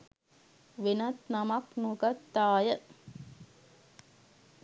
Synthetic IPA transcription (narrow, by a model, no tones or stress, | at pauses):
ʋɪnɐt̪nɐmɐknukɐt̪ːaːjə